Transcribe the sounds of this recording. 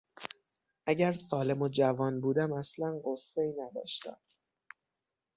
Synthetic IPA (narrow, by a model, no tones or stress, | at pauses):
ʔæɟæɾsɒːle̞mo̞d͡ʒævɒːnbuːd̪æmæslænɢosːeinæd̪ɒ̰ːʃt̪æ̰m